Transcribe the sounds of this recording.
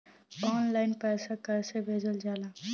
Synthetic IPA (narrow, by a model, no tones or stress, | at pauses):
ɔːnlaːɪnpɛːsakəɾsebʱeːd͡ʒəld͡ʒaːlaː